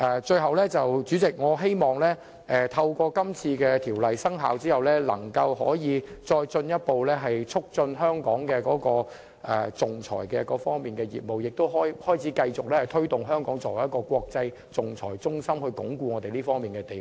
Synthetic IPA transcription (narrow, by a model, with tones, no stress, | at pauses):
ʔɛː˨˩t͡ʃɵ˧ɥɦɐ˨wlɛː˥t͡sɐ˨wt͡syː˨˥t͡sɪ˨k̚ŋɔː˨˧ɦe˥jmɔː˨˩ŋlɛː˥ | ʔɛ˨˩t̪ʰɐ˧wkʷɔː˧kɐ˥mt͡sʰiː˧kɛː˧t̪ʰiː˨˩wlɐ˨jsɐ˥ŋɦa̰ː˨˧wt͡siː˥hɐ˨wlɛː˥lɐ̰˨˩ŋkɐ˧wɦɔ̰ː˨˥jiː˨˧t͡sɔː˧jt͡sɵ˧njɐ˥t̚po˨˧wlɛː˥ɦɐ˨jt͡sʰʊ˥k̚t͡sɵ˧nɦœː˥ŋkɔː˨˥ŋkɛː˧kɔː˨˥kɔː˧ | ʔɛ˨t͡sʊ˨ŋt͡sʰɔ̰ː˨˩jkɛː˧kɔː˨˧˥fɔː˥ŋmiː˨˩nkɛː˧jḭː˨˩t̚mo˨wjɪ˨k̚t̪o˥wɦɔː˥jhɔː˥jt͡sʰiː˨˦˥kɐ˧jt͡sʊ˨k̚lɛː˥hɐ˨˩jt̪ʰɵ˥ɥt̪ʊ˨ŋɦœː˥ŋkɔː˨˥ŋt͡sɔː˨˩wɐ˨˩jɐ˥kɔː˧kwɔː˧k̚t͡sɐ˧j | t͡sʊ˨ŋt͡sʰɔː˨˩jt͡sʊ˥ŋsɐ˥mhɵ˧kʊ̰˨˥ŋkuː˧ŋɔː˨˧t̪e˨jliː˥fɔː˥ŋmiː˨˩nkɛː˧t̪e˨j